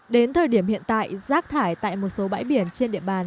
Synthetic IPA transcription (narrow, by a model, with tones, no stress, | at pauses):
ɗe˨˦nt̪ʰəː˨˩jɗi˧˩əmhḭ˧˨ənt̪a̰ː˧˨jzaː˦˥k̚t̪ʰaː˧˩jt̪a̰ː˧˨jmo˨˩t̚so˨˦ɓa̰ː˧˥jɓi˧˩ənt͡ɕe˧nɗḭ˧˨əɓaː˨˩n